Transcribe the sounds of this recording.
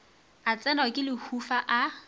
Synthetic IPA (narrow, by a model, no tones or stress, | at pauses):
at͡sʼɛnakʼɪlɪhufaʔa